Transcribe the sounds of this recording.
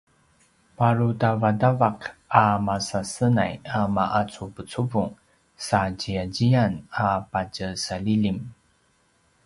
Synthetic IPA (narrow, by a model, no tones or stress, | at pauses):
paɾutavadavaqamasasəna̰jamaʔat͡supət͡suvuŋ | saɟiaɟianapacəsalilim